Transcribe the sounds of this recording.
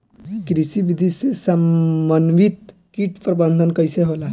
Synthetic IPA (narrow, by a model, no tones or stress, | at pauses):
kɾisibid̪ʱisesəmbənʋit̪kiʈpɾəbənd̪ʱənkəjseɦola